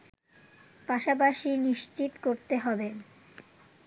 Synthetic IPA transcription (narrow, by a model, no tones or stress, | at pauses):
paʃapaʃiniʃt͡ɕit̪koɾt̪eɦɔbe